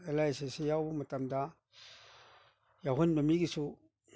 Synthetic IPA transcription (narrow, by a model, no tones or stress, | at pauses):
elajsesejawmɐtamda | jaɦunməmiɡisu